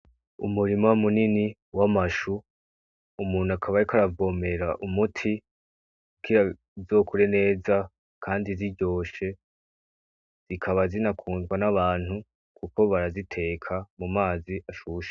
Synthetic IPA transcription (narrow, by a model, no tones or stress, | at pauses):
ṵmuɾimoumunini | wamaʃuː | muːn̥uakʰaβajikaɾavo̞ːme̞ɾaʔumutʰi | ukiɾa | zo̞ːkuɾe̞ne̞ːza | kʰaːndiziɟo̞ːʃe̞ | z̥ikʰaβazinakʰuːnzɡwanaβaːn̥hu | kʰuko̞βaɾazitʰe̞ːkʰamumaːziʔaʃuːʃe̥